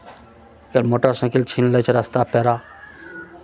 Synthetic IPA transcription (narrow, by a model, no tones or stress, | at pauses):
kəlmoːʈəɾsɐ̃kɪlt͡ʃʰinlət͡ʃʰɾɐst̪aːpeːɾaː